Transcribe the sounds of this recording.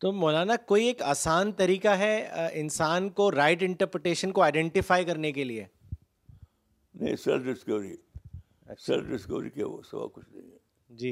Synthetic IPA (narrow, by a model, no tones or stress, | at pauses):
t̪oːmoːlaːnakoːieːkaːsaːnt̪ɐɾiːkaɦɛɪnsaːnkoɾaːɪʈɪ̃ɳʈəɾpɾeʈeːʃənkoaːɪɖɛ̃ɳʈɪfaːjkɐɾnekelie | nɐ̰ĩsɛ̰lfɖɪskɐʋɾi | ɐsɛlfɖɪskɐʋɾḭkɛ̰ʋo̰sɐba̰kʊt͡ʃʰnɐ̃ɦĩɛ | d͡ʒiː